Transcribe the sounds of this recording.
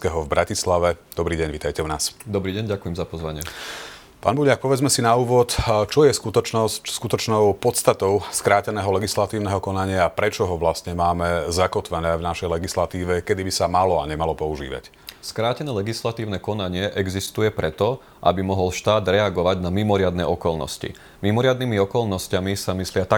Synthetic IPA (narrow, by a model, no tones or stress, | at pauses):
skɛɦɔvbɾacislaʋɛd̪ɔbɾiːɟɛɲʋit̪ajcɛunaːsd̪ɔbɾiːɟɛɲɟakujɛmzapɔzʋaɲɪɛ | pa̰ːnbuʎak̚pɔʋɛd͡zmɛsinauːʋɔt̪t͡ʃɔjɛskut̪ɔt͡ʃnɔsskut̪ɔt͡ʃnɔʊpɔt̪st̪at̪ɔʊskɾaːcɛnɛːɦɔlɛɡislat̪iːʊnɛɦɔkɔnaɲɪaːpɾɛt͡ʃɔɦɔʋlast̪ɲɛmaːmɛzakɔt̪ʋɛnɛːvnaʃɛjlɛɡislat̪iːʋɛkɛd̪ibisamalɔaɲɛmalɔpɔuʒḭːʋa̰c | skɾaːcɛnɛːlɛɡislat̪iːʊnɛkɔnaɲɪɛʔɛɡzist̪ujɛpɾɛt̪ɔ | ʔa̰bimɔɦɔlʃt̪aːd̪ɾɛaɡɔʋaɟnamimɔɾɪad̪nɛʔɔkɔlnɔ̰scḭ | mimɔɾɪad̪nimiɔkɔlnɔscamisamislɪat̪a